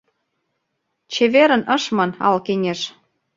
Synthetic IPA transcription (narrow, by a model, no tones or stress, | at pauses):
t͡ɕeβeɾə̆nə̆ʃmɤnɑ̰lkeŋʲeʃ